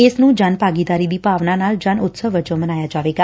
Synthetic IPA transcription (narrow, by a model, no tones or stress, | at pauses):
eːsnũːd͡ʒanpaːɡid̪aːɾiːd̪iːpaːʋnãːnaːld͡ʒanʊt̪səɦʋəd͡ʒõmənaːjaːd͡ʒaːʋeːɡaː